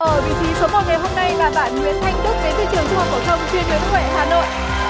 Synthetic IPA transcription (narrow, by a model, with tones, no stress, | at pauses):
ʔəː˨˩vḭ˧˨˥t̪ʰi˧˨so˨˦mo˨˩t̚ŋa˨˩jɦo˧mna˧jvaː˨˩ɓaː˧˩nŋwḭ˧˥˨ənt̪ʰa˨˩jŋ̟t̪u˦˥t̚ve˨˦jt̪ʰi˧˦t͡ɕɨ˨˩əŋt͡ɕɨ˦˥khɔ˨˩k̚ːə˧˩t̪ʰɔ˧wŋ͡mt͡ɕwi˧ənɗi˨˦kʊ˧˩kwɛː˧˩haː˨˦no̰˧˨jʔ